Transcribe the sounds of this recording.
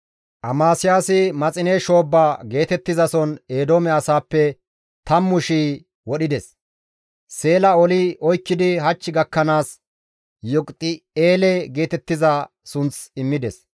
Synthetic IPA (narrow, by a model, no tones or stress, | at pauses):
ʔɐmaːsɪjaːsɪmɐt͡sʼɪneʃo̞ːbːaːɡe̞ːt̪ɛt̪ːɪzɐsɔneːd̪oːmɛɐsaːpːɛ | t̪ɐmːʊʃiː | wɔɗɪd̪ɛs | se̞ːlɐɔlɪʔɔjkːɪd̪ɪɦɐt͡ʃːɪɡɐkːɐnaːs | jɔkʼt̪ʼːɪeːlɛɡe̞ːt̪ɛt̪ːɪzɐ | sʊnt͡sɪmːɪd̪ɛs